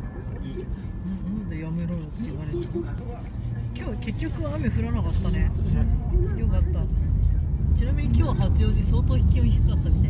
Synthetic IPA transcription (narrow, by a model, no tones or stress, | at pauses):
ɯ̟̃nd̪ejame̞ɾoːkʲiɡaɾet̪e | kʲo̞ːke̞kʲːo̞kɯ̟ame̞ɸɯ̟ɾanakat̪ːane̞ | jo̞kat̪ːa | t͡ɕinamʲiɲ̟ikʲo̞ːβahat͡sɨjo̞ːʑiso̞ːt̪oːçi̥kʲĩõçi̥kakat̪ːamʲit̪a